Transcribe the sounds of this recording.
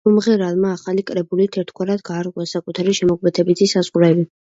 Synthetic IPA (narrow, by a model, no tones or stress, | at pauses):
umʁɛɾalˠmaːχalikʼɾɛbulit̪ʰɛɾt̪ʰkʰwaɾad̪ɡaːɾʁʼwasakʼut̪ʰaɾiʃɛmɔkʼmɛt̪ʰɛbit̪ʰisazʁɾɛbi